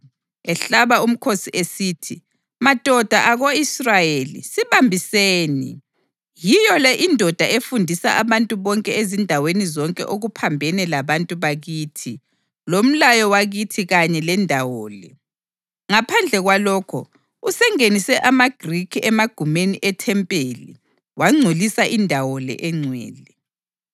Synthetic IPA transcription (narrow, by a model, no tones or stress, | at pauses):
ɛɬaβaum̩kʰosiʔesiːtʰi | mad̥ʱɔd̥ʱaʔaɣoisrajelḭsiβambʱiseːnḭ | jijɔlɛʔindʱɔd̥ʱaʔefundʱisa̰ʔaβantʼuβɔŋkʼɛezindʱawenizɔŋkʼɛ̰ʔoɣupʰambʱɛnɛlaβantʼuβaɣiːtʰi | lom̩lajɔwaɣitʰiɣaɲɛlɛndʱawɔːlɛ | ŋapʰand͡ɮʱɛɣwalɔːkʰɔ̰ | usɛŋenisɛʔamaɡ̥ʱrikʰiɛmaɡ̥ʱumeniʔɛtʰɛmpʼeːlḭ | waŋ͡ǀʱulisaʔindʱawɔlɛ̰ʔɛŋ͡ǀʱwɛ̰ːlɛ